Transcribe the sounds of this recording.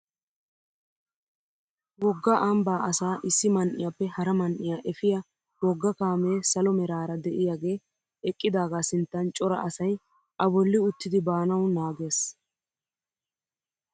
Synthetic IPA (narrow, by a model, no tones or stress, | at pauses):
wɔɡːɐʔɐmbaːʔɐsaːʔɪsːɪmɐnʔɪjapːɛhɐɾɐmɐnʔɪjaːʔɛfɪjɐ | wɔɡːɐkaːme̞ːsɐlɔmɛɾaːɾɐd̪ɛʔɪjaːɡe̞ː | ɛkʼːɪd̪aːɡaːsɪnt̪ːɐnt͡ʃʼɔɾɐ̰ʔɐsɐj | ʔɐbɔlːɪʊt̪ːɪd̪ɪbaːnɐwnaːɡe̞ːs